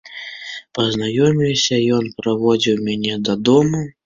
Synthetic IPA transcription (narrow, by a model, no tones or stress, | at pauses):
pɐznajɔmʲilʲsʲɐjɔnpɾavɔd͡zʲiwmʲanʲɛd̪ɐd̪ɔmu